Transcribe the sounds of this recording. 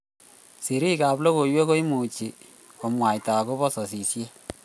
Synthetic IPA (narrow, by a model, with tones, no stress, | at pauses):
si˨ɾi˦ka˨blo˦ko˨jwe˦ko˦i˦mu˨t͡ʃi˨ | ko˨mwa˨jta˨ko˦βɔ˦sɔ˨s̬i˨sje˦